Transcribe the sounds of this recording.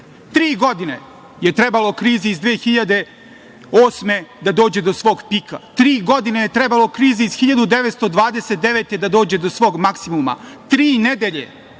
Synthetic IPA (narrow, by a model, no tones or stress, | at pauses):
t̪ɾiːɡo̞d̪ine̞̰ | je̞t̪ɾe̞balo̞kɾiːziːzd̪ʋeːxiʎad̪e̞ | oːsme̞d̪ad̪o̞ːd͡ʑe̞d̪o̞sʋo̞ːɡpikat̪ɾiːɡo̞d̪inejet̪ɾebalo̞kɾiːziizxiʎad̪ud̪e̞ʋet̪st̪o̞d̪ʋaːd̪eset̪̚d̪e̞ʋet̪e̞d̪ad̪oːd͡ʑe̞d̪osʋo̞ːɡmaksimuma̰t̪ɾiːned̪eʎe̞